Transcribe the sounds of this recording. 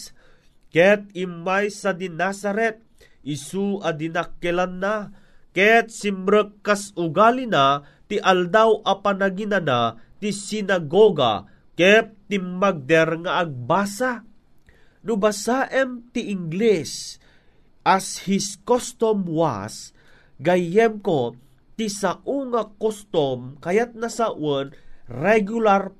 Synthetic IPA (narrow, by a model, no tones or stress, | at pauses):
kɛt̪̚imːajsad̪inasaɾɛt̪̚ | ʔisuʔad̪inakːɛlanːa | kɛt̪̚simɾəkːasʊɡalina | t̪iʔald̪awʔɐpanaɡinanat̪isinaɡoɡa̰ | kɛt̪ːimːaɡ̚d̪ɛɾŋaːɡ̚baːsa | nubasaʔɛmt̪iːŋɡlɛs | ʔashiskost̪omwa̰s | ɡajɛmko | t̪isaʔuŋakost̪omkajat̪̚nasaʔonɾɛɡular